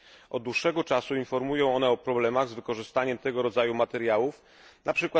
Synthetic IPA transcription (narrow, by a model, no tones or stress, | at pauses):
ʔɔ̰d̪̚d̪wuʂːɛɡɔt͡ʂasuinfɔɾmujɔ̃w̃ɔnɛɔpɾɔblɛmaɣzvɘkɔʐɘst̪aɲɛmt̪ɛɡɔɾɔd̪zajumat̪ɛɾjawuf | nʔapʂɘkwa